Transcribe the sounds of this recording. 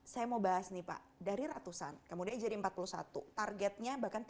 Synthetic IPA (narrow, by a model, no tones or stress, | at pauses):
sajamobaɦasnipa̰ʔ | daɾiɾat̪usa̰nkəmudiand͡ʒadiəmpat̪̚pulusa̰t̪ṵt̪arɡɛt̪̚ɲabahkan